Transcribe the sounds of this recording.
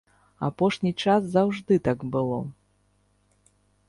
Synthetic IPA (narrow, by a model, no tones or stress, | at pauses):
a̰pɔʂnʲit͡ʂaszawʐd̪ɨt̪aɡbɨlˠɔ